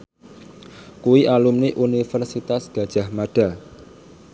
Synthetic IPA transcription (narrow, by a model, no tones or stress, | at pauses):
kuwiʔalumniʔunifərsit̪asɡ̥a̤d̥ʒ̥a̤hmaɖ̥a̤